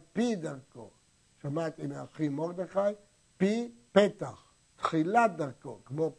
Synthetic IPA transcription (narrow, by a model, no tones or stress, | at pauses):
pid̪aʁko̰ | ʃamat̪imeaχimoʁd̪eχaj | pipet̪aχ | t̪χilat̚d̪aʁko̰kmo